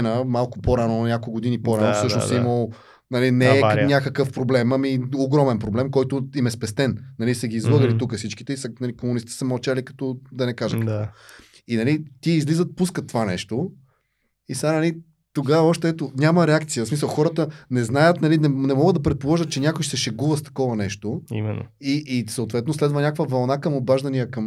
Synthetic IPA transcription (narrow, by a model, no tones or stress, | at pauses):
nəmalˠkʊpoɾanonʲakoɡod̪inipoɾanofsɤʃno̰sɛiməlˠ | nɐlinɛːnʲakəkəfpɾoblɛmɐmioɡɾɔmɛnpɾoblɛmkɔjt̪ʊimɛspɛst̪ɛnnɐlisɐɡʲiːzvlˠɤɡəlit̪ukəsit͡ʃki̥t̪ɛisənɐlikomunist̪i̥i̥səɐmɐlˠt͡ʃalikɐ̥t̪ɔd̪ɐnɛkaʒət̪kəkkvɔ̰ | inɐlit̪iizlizət̪̚puskət̪ːovanɛ̰ʃt̪o | isanɐli | t̪oɡavəɔʃt̪ɛɛt̪onʲamɐɾɛakt̪sijəsmisəlˠxɔɾət̪ənɛznajət̪nɐlinɛnɛmɔɡəd̪d̪ɐpɾɛt̪̚polˠɔʒət̪̚t͡ʃɛnʲakʊjʃsɛʃɛɡuvəst̪ɐ̥kɔvɐnɛʃt̪oḭmɛ̰n̰iːsɐot̪vɛt̪noslɛd̪vənʲakvəvɐlˠnakəmobaʒd̪ɐnijəkɐm